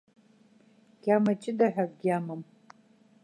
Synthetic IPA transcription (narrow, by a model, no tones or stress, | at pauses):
ɡ̥ʲamat͡ʃʼɪdaħʷᶣarɡʲamam